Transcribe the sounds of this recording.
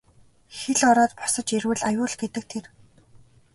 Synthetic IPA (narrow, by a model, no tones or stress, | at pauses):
xeɮɔɾɔːt̪pʊ̥sə̆t͡ɕerwɘ̆ɮajʊːɮɡet̪ɘ̆k̚t̪ʰer